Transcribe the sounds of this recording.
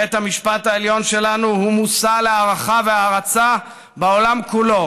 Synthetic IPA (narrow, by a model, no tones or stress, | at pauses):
et̪hamiʃpataeljo̞nʃe̞lanuhumusaleaʁaχaveaʁat͡sa | beo̞lamkulo̞